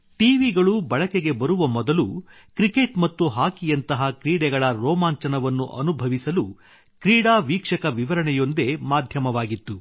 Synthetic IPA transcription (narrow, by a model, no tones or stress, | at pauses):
ʈiːʋiɡɐɭubɐɭɐkeɡe̞bɐɾuʋɐmɔd̪ɐlu | kɾike̞ʈmɐt̪ːuɦaːkijɐnt̪ɐɦɐkɾiːɽɛɡɐɭɐɾɔːmaːɲt͡ʃɐnɐʋɐnːuʔɐ̰nubʱɐʋisɐlu | kɾiːɽaːʋiːkʂɐkɐʋiʋɐɾɐɳɛjo̞nd̪e̞maːd̪ʱjɐmɐʋaːɡit̪ːu